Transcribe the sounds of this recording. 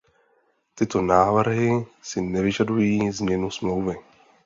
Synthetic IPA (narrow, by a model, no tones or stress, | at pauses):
t̪ɪt̪o̞naːvr̩ɦɪsɪnɛvɪʒadujiːzmɲɛnusmlo̞wvɪ